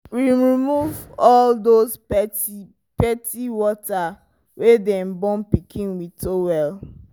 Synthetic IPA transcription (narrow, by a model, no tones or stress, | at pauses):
wiɹimuvɔldospɛi | pɛtiwɔta | wedɛ̃mbɔ̃npikʰĩnwitowɛl